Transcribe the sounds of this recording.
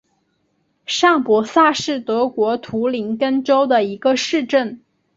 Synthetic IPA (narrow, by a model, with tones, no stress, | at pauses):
ʂɑ˥˩ŋpwɔ˧˥sa˥˧ʂɻ̩˥˩t̪ɤ˧˥kwɔ˧˥t̪ʰu˧˥li˧˥ŋkə˥nʈ͡ʂo˥ʊd̪ə˨i˧˥ɡə˧ʂɻ̩˥˧ʈ͡ʂə˥˩n